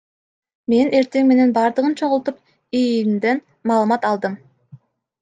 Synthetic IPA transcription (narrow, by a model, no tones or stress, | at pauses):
me̞ne̞ɾt̪e̞ŋme̞ne̞nbɑːɾd̪ɯʁɯnt͡ʃʰo̞ʁulˠt̪up | ijnd̪en | mɑːlˠɯmɑt̪ɑlˠd̪ɯm